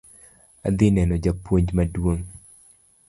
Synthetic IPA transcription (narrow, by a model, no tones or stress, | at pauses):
a̰d̪ɪnɛnɔd͡ʒapwoɲd͡ʒmadwoŋ